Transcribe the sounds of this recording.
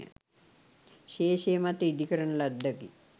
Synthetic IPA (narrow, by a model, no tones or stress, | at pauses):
ə̰ | ʃeːʃemat̪eid̪ikəɾəɳəlad̪ːaki